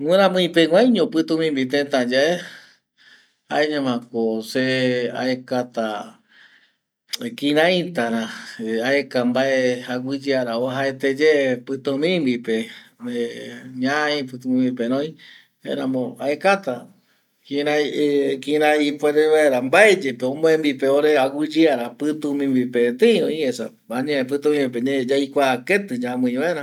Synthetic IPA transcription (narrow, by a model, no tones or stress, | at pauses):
ŋeɾãmɨ̃ĩpeŋʷãj̃ɲõpɨt̪ũmĩmbit̪ẽt̪ãd͡ʒae | ha̰eɲãmãkosea̰ekat̪a | kĩɾãjt̪aɾãaekambaehaɡʷɨd͡ʒeaɾaoɦaet̪ed͡ʒepɨt̪õmĩmbipeeɲaĩpɨt̪ũmĩmbipeɾõĩ | ḛɾamõaekat̪a | kĩɾakĩɾãipʷeɾeβaeɾambaed͡ʒepeõmõẽmbipeoɾeawɨd͡ʒɨaɾapɨt̪umĩmbipet̪eĩɾõĩesa̰ | baɲẽp̬ɨt̪ũmĩbip̬eɲed͡ʒajkʷaːket̪ɨd͡ʒamɨ̃ĩβaeɾã